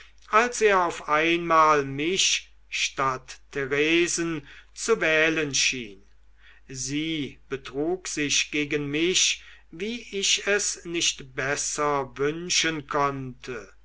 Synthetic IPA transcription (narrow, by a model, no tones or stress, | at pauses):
ʔalseːɐaʊfaɪnmaːlmɪʃ | ʃtatʰːeʁeːzn̩t͡suvɛːlənʃḭːn | ziːb̥ətʁ̥uːkz̥ɪʃɡ̥eːɡənmɪʃviːɪʃɛsnɪʃtb̥ɛsɐvʏnʃənkʰɔntʰə